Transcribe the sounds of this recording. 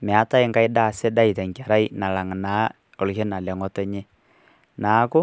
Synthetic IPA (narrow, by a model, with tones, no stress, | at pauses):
mɛ˨a˦ta˦ɪ˦ŋɡa˦ɪdaː˦˨sɪ˦da˦ɪ˨tɛ˨ŋka˨ɾa˦ɪ˦na˨la˨ŋnaː˨˦ | ɔ˨lʃe˦na˨lɛ˨ŋɔ˦tɔ˦ɲe˦ | naː˨˦kʊ˦